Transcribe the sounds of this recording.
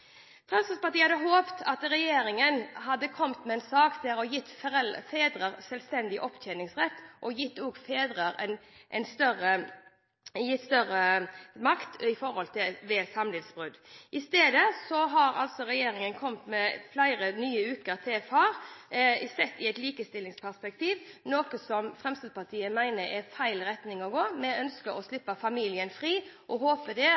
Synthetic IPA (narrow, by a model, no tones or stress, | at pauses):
fʰɾɑnsɑspɑt̪iːhɑd̪əɦoːpt̪ʰɑt̪ɾɛjeːɾɪŋənɦɑd̪ːəkʰɔmt̪mɛɛnsɑːkt̪ʰɪɾɔjɪt̪ːfɛfeːd̪ɾəɾsɛlst̪ɛnd̪ɪʔɔpːt̪ʰɛnɪŋsʁɛt̪ːʔɔjɪt̪ːɔːɡfeːd̪ɾəɾɛnʔɛnst̪œɾə | jɪt̪ːst̪œrəmɑkt̪ɪfɔɾhɔlt̪ʰɪʋɛsɑmlɪd̪sb̥ʁʉd̪ʔɪst̪eːd̪əsɔɦɑɾɑ̰lt̪sɔɾɛjeːɾɪŋənkʰɔmt̪mɛflæɪɾənyːəʉːt̪̚kəɾt̪ʰɛfɑːɾ | sɛt̪ːɪɛɪt̪liːkəst̪ɪlːɪŋspʰæʁspɛk̚t̪iːʋnoːkəsɔmfʁɛmst̪ɪd̪pɑt̪ʰiːəmæɪnəɾɛfæɪlɾɛt̪nɪŋɔɡoːmɛœnskəɾɔslɪpːəfɑmiːlɪənfɾiːʔɔɦoːpəd̪ɛ